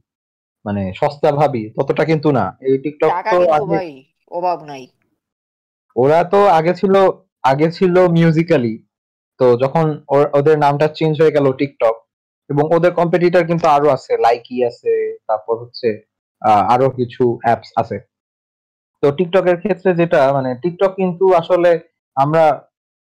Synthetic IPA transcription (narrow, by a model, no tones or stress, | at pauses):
maneʃɔst̪abʱabit̪ɔt̪oʈakint̪̬una̰ejʈik̚ʈɔkt̪oaɡe | j | oɾat̪oaɡet͡ɕʰilo | aɡet͡ɕʰilomjuzikali | t̪od͡ʑɔkʰonoʔod̪eɾnamʈat͡ɕend͡ʑʱɦoeɡɛloʈik̚ʈɔk̚ | eboŋod̪eɾkɔmpeʈ̬iʈ̬aɾk̬int̪uaɾoat͡ɕʰelajkiat͡ɕʰet̪aɾpɔɾɦotːɕʰe | aa̰ɾokit͡ɕʰuɛpsa̰t͡ɕʰe | t̪oʈik̚ʈɔkeɾkʰet̪ːɾed͡ʑeʈamaneʈik̚ʈɔkːint̪uaʃole | amɾa